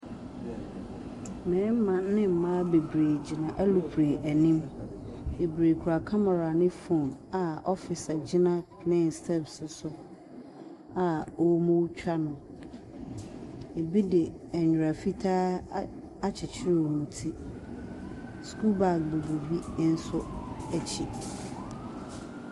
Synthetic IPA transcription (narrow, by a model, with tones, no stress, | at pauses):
mɛ̃˨˦m̩˦mã˨nɪ̃˦m̩˨mã˦be˨bɾeː˨d͡ʑɪ˨nã˨ʔæ˦lu˨pʰɾe˨ʔæ˨nĩ˦m | be˨bɾe˨kʰu˨ɾa˨kʰa˦ma˨ɾa˨nɪ̃˦fõ˦˨na˨ɔ˦fɪ˨sa˨d͡ʑɪ˦nã˦ | nɪ̃˦n̩˨stʰɛ˦psʊ˨sʊ˨ | a˨o˦mõ˦wt͡ɕᶣa˦nʊ̃˨ | e˨bi˦dɪ˨ɛ˨ɲᶣ˨ɾa˨fi˦tʰaː˦ | a˦t͡ɕʰɪ˨t͡ɕʰɪ˦ɾe˦wmũ˨tʰi˦ | skʰu˦lba˦˨k̚be˨bo˨bi˦n̩˦sʊ˦æ˦t͡ɕʰi˨